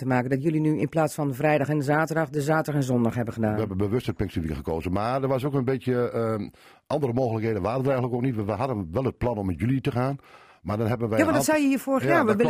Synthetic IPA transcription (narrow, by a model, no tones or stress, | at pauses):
təmaːkəndɔtjølinyɪnplaːtsfɔnfrɛjdɔxɛndəzaːtədɑxdəzaːtəxɛnzɔndɔxhɦɛbəxədaːnəhɛɛbənbəʋøsthəpɪŋkstəʋikəχəkoːzəmardəʋasokənbetjə | ʔɑndərəmoːɣələkheːdənʋaːəndərɛjɣələkoknitʋɛʋəɦadənʋɛlˠət̚plɑnɔmːɛtjylˠitəxaːn | madɔnɦɛbənʋɛjaɔndɔsajəhiːəfoːrəxəjaːʋəʋ